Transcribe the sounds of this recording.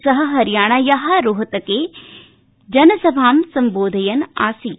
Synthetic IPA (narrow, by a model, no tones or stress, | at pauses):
sɐɦɐ̆ɦɐɾjaːɳaːjɐɦaɾoɦɐt̪ɐkeː | d͡ʒɐnɐsɐbʱaːmsɐmboːd̪ʱɐjɐna̰ːsi